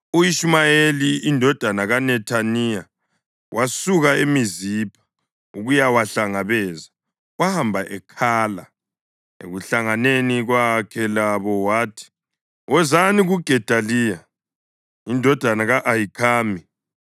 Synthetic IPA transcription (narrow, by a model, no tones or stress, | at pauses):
ujiʃmajeliindʱɔd̥ʱanaɣanɛtʰanija | wʔasuɣaemizipʰḁ | uɣujawaɬaŋaβɛːza | ɣwahambʱaʔɛkʰaːla̰ | ḛɣuɬaŋaneniɣwakʰɛlaβɔwaːtʰi̥ | wʔɛzaniɣuɡ̥ʱɛd̥ʱaliːja | indʱɔd̥ʱanaɣaʔajikʰaːmi